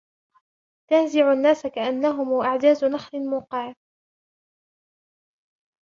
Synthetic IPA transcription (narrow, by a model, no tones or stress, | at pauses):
t̪anzɪʕʊnːaːsakaʔanːaɦʊmuːʔaʕd̪aːzʊnɑxlɪmuːqɪʕ